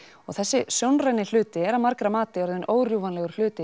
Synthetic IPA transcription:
ɔ̰ɣθɛsːɪsjownrajnɪl̥ʏːt̪ɪɛɾaðmaɾkɾamaːt̪ɪɔɾðʏnʔoːwrjuvanlɛɣʏɾ̥l̥ʏːt̪ɪ

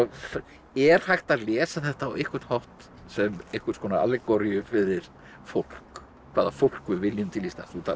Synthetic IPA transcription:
f | ɛɾ̥hajht̪aðlɛːsaθɛht̪aːwehkʰʏɾ̥t̪hawht̪ | sɛmehkʏ̥ɾt̪skɔːnaa̰lːɪkɔɾjʏfɪðɪɾ̥ | fowl̥k | kʰvaːðafowl̥kvɪvɪljʏmt̪ʰɪlist̪a̰θut̪ʰa

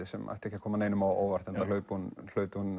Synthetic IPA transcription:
ɪsɛma̰jht̪ɛhcːɪakʰɔːmaneːjnʏmawo̰ːwvar̥t̪ɛnt̪alœːɥpunl̥œːɥt̪ʏhun

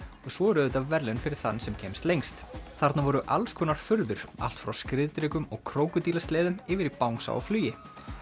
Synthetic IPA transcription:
ɔɣsvɔɛɾœðʏt̪avvɛɾlɛnfɪɾɪɾ̥θanːsɛmcʰɛːmst̪lejŋst̪θaɾt̪navɔɾʏʔalskʰɔːnaɾ̥fʏɾðʏɾ̥a̰l̥t̪fɾawskɾɪðt̪ɾɪkʏmɔɣkʰɾoːwkʏt̪iːlast̪lɛːðʏmɪːvɪɾipawŋsa̰wɔ̰flyːjɪ

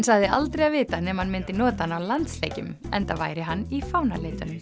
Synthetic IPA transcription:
nsaɣðɪʔa̰lt̪ɾejaðvɪːt̪anɛmhanmɪnt̪ɪnɔːt̪ahanːawlant̪slḛːcʏ̰m | ɛ̰nt̪ava̰ːjɾɪɦanːifawnaleːjt̪ʏnʏm

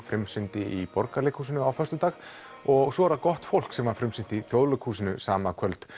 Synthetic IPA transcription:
fɾɪmsɪnt̪ɪipɔɾkalɪkhuːsɪnʏawfœst̪ʏt̪aːx | ɔɣsvɔːɾakɔht̪fowl̥ksɛmvaɾfɾɪmsɪnt̪ɪiθjoːwðlœkhuːsɪnʏsaːmakʰœlt̪

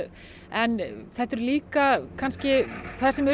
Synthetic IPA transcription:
ɛnθɛht̪ɛɾliːkakʰanscɪθasɛm

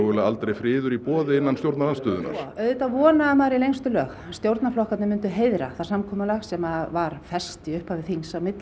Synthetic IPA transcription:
ɣʏlaa̰lt̪ɾejfɾɪːðʏɾipɔːðɪɪnːanst̪jowɾt̪nalanst̪ʏːðʏna̰ɾ̥œɥðʏt̪avɔːnaɛmaɾilejŋst̪ʏlœːɣ | st̪jowɾt̪naflɔhkat̪nmʏnt̪ʏɦejðɾa̰θasamkʰɔːmalaxsɛmavaɾ̥fɛ̥st̪iʏhphavɪθiŋsawmɪt̪l

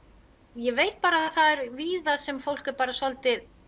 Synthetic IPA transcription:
jɛvejt̪̚paːɾaðaθaðɛɾviːðaðsɛmfowl̥kɛɾpaːɾasɔlt̪ɪð

